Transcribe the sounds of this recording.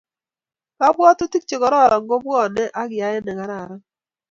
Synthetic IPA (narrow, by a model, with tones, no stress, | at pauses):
ka˦bwɔ˦tʊ˦ti˦k̚t͡ʃe˨ɡɔ˨ɾɔ˦˨ɾɔ˨ŋɡo˦bɔ˦˨nɛ˦ʔa˦ɡɪ˨ja˨jɛ˦nɛ˨ŋa˨ɾa˨ɾɔ˦